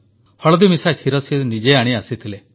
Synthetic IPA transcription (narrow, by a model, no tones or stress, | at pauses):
hɔɭɔd̪imisakʰiɾɔsʰinid͡ʒeaɽ̃iasit̪ʰile